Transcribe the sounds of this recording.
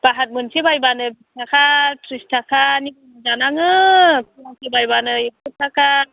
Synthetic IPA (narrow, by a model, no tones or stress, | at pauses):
b̥aɦat̚mɯnsebajbanɯbistʰakʰatɾistʰakʰanibɯnazanaŋɯpʰulasebajbanɯekutʰaka